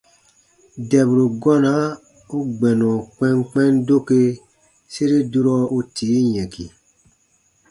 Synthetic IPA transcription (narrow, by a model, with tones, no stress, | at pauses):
dɛ˨bɾu˨ɡɔ˦na˨˦ | u˦ɡ͡bɛ˨nɔ̃˨k͡pɛ̃˦ŋk͡pɛ̃˦ndo˦ke˧ | se˦ɾe˦du˦ɾɔ˦u˦tʰiː˨˦jɛ̃˨kḭ˨